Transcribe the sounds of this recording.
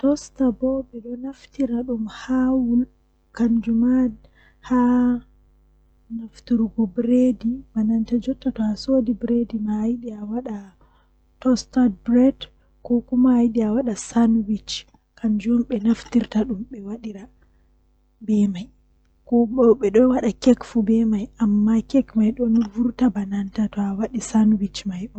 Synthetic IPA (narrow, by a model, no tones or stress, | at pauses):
tɔstabɔɓɛɗɔnaftiɾaɗumhawul | kand͡ʒuma | ha | naftiɾɡɔbɾedimanantad͡ʒɔtːatɔhasodibɾedimajɗiawaɗa | tɔstad̚bɾɛd | kɔkumaajɗiawaɗasanwit͡ʃ | kʰand͡ʒɔmɓɛnaftiɾtaɗumɓɛwaɗiɾa | bɛmaj | kɔbɔɓɛɗɔwaɗakɛkfubɛmajʔamːakɛkmajɗɔnvuɾtabanantatɔawaɗisanwit͡ʃmajɗɔ